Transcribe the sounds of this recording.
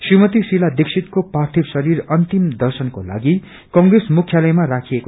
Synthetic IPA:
srimʌt̪isilad̪eksʰit̪kopart̪ʰibsʌɾiɾʌnt̪imd̪ʌrsʌnkola̰ɡi | kʌŋɡresmukʰjalʌjmarakʰieko

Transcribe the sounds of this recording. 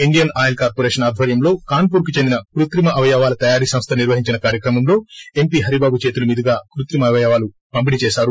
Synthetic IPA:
iɳɖijɐnaːjɐlkaːɾpoɾeːʃɐnaːd̪ʱʋɐɾjɐmlo̞ːkaːnpuːɾkut͡ʃe̞nd̪inɐkɾut̪ɾimɐʔɐʋɐjaːʋaːlɐt̪ɐjaːɾiːsɐmst̪ʰɐniɾʋɐɦiɲt͡ʃinɐkaːɾjɐkɾɐmɐmlo̞ːe̞mpiːɦɐɾibaːbut͡ʃeːt̪̬ulumiːd̪ʱiɡaːkuɾut̪ɾimɐʋɐjaːʋaːlu | pɐmp̬init͡ʃeːʃaːɾu

